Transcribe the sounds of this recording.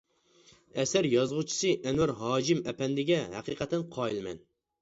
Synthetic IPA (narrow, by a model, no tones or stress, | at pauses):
ɛsæɾjɑzʁut͡ʃʰi̥sɨʔɛnwæɾɦɑːd͡ʒimɛpʰɛnd̪ɪɡʲɛɦæ̰qiːqʰɛt̪ʰːɛnqʰɑːjilˠmɛ̰n